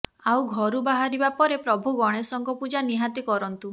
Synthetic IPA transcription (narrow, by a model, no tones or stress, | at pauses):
awɡʱɔɾubaɦaɾibapɔɾepɾɔbʱuɡɔɽ̃esɔŋkɔpud͡ʒaniɦat̪ikɔɾɔnt̪u